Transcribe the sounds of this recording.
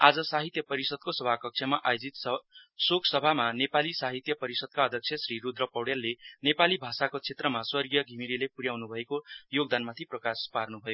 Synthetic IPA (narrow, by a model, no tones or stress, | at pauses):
ad͡zʌsaɦit̪jʌpʌɾisʌd̪̚kosʌbʱakʌk̚t͡sʰjʌmaʔajod͡zit̪ssokʰsʌbʱamanepalisaɦit̪jʌpʌɾisʌd̪̚kaʌd̪ʱjʌk̚sʰjʌsrɾirud̪rʌpʌwɽelːenepalibʱasakot͡sʰet̪rʌmaswʌrɡijʌɡʱimiɾilepuɾjawnubʱʌekojoɡ̚d̪anmat̪ʰiprʌkasparnubʱʌjo